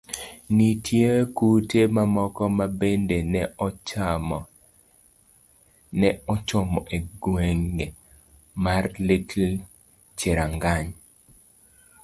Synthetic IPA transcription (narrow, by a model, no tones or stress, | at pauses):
nitʰjekutemamɔkɔmabendenɛ | nɛɔt͡ʃɔmɔʔeɡweŋɡe | marlɪtʰl | t͡ʃeɾaŋɡaɲ